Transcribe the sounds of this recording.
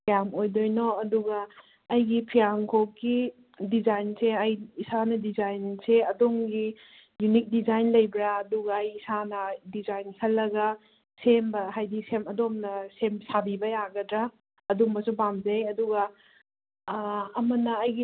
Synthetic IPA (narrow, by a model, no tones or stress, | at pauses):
pʰijamojdojnoɐduɡɐː | jɡipʰijamkʰokːi | dizajnseɐjisanɐdizajnseɐdomɡi | junik̚dizajnlɐjbɾaːduɡɐːjisanɐdizajnkʰɐlːɐɡɐ | sembɐɦajdisemɐdomnɐsemsabibɐjaɡɐdɾa | ɐdombɐsubamzejɐduɡɐ | ɐmɐnɐɐjɡi